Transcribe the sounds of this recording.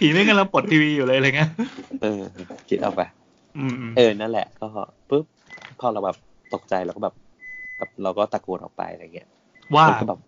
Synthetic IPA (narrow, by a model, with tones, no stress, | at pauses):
t̪ʰiː˨˩˦ma˥˩ka˧mla˧ŋpo˨˩t̪ʰːiː˧wiː˧juː˨˩lɤː˧jɾjŋa˦˥ʔɤː˧kʰi˦t̪̚ʔɔ̰ː˨˩k̚pa˧˩ | ʔɯː˧ʔːʔɤː˧na˦˥nlɛ̰˨˩ʔkɔː˥˩ | pɯ˦˥p̚ʰːɔː˥˩ɾa˧wbɛ˨˩p̚ | t̪o˨˩k̚t͡ɕa˧jɾa˧wkɔː˥˩bɛː˨˩p̚ | bɛː˨˩p̚ɾa˧wkɔː˥˩t̪a˨˩kːu˨˩t̪ʔɔ̰˨˩pa̰˧jʔa̰˧ɾa˧jŋːi˦˥ɐ | waː˥˩˧nɔː˥˩bɛː˨˩p̚